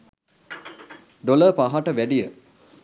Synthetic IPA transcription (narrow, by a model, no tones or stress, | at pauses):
ɖoləpaɦaʈəʋæɖijə